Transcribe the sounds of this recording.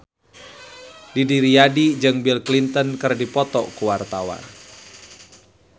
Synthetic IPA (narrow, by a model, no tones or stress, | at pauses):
didiɾiadid͡ʒɨŋbilklint̪ənkɨrdipɔt̪ɔkuwart̪awa̰n